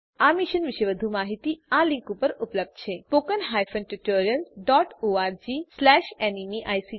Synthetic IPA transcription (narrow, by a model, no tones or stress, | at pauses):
amiʃənʋɪʃeʋəd̪ʱumaɦit̪ialĩŋkũpəɾupləb̚d̪̥t͡ʃʰepokənɦajfənʈuʈoɾiəlɖɔʈoaɾd͡ʒislɛʃenimiʔajsi